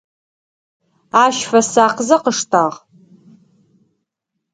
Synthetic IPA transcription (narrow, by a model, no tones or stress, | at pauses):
aʃfasaqʰzaqəʂtʰʼaʁ